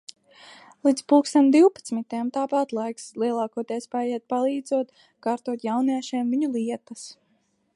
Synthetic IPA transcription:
lˠid̪spuːkst̪amd̪iwpat̪smit̪ajamt̪aːpat̪lˠajkslˠiɛlˠɑːkuɔt̪iɛspajɛɛt̪̚palˠiːd̪zuɔt̪ | kaːɾt̪uɔt̪jawniɛʃɛːmviɲulˠiɛt̪as

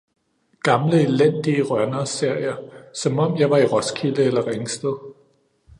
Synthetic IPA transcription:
ɡ̥ɑ̈mləe̝len̰d̥iəʁɶɐnɐse̝ɐ̰jɐsɒ̽mɒ̽m̰jɑ̈ɪʋɑ̈iʁɒ̽skʰiləelɐʁeŋsd̥əð̩ˠ

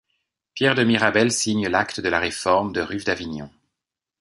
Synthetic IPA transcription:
pjɛʁd̪əmiʁabɛlsiɲlak̚t̪əd̪əlaʁefɔʁmd̪əʁyfd̪aviɲɔ̃

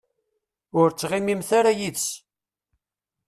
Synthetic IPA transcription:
ʊɾt͡sːʁimimθaɾajiðs

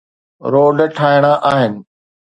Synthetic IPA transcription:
ɾoːɖʈʰaːɪɽ̃aʔaːɦɪnɪ̆

